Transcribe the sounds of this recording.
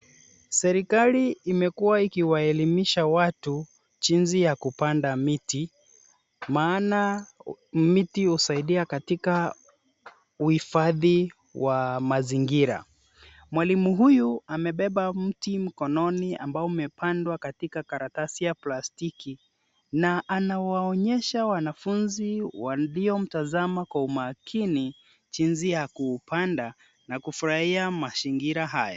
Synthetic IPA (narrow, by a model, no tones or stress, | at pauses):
sɛɾikaliːmɛkuwaikiwaɛlimiʃawatu | t͡ʃinzijakupandamiti | maːna | mitiusaiɗiakatika | uhifaði | wʔamaziŋɡiɾa̰ | mwalimuɦujuamɛɓɛɓam̩tim̩kɔnɔnia̰mbaɔmɛpʰandwakatikakaɾatasijaplastiki | naʔanawaɔɲɛʃawanafunziwaliɔm̩tazamakwaumakʰini | t͡ʃinziakuːpʰanda | nakufuɾahiamasiŋɡiɾaɦaja̰